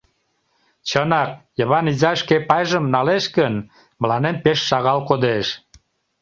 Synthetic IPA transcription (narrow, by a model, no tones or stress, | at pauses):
t͡ɕənɑk̚jəβɑnizɑʃkepɑjʒəmnɑleʃkən | məlɑnempeʃːɑɣɑlkod̪eʃ